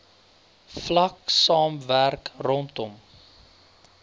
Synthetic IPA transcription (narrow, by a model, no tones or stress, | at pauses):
flɐksɑːmværkrɔntɔm